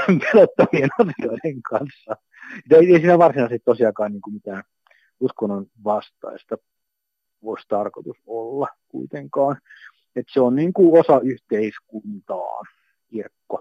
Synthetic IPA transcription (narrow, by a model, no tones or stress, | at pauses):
pelot̪ːɑmienɑsioiɾeŋkʰɑnsːɑ | et̪eieisiːnæʋɑrsinɑˑsit̪t̪osiɑkɑːnniːŋkumit̪æːn | uskonːon | ʋɑst̪ɑ̰ist̪ɑ | oist̪ɑrkot̪usolːɑkṵit̪eŋkɑːn | et̪seonniːŋkuosɑyht̪eiskunt̪ɑ̰ːn | kirkːo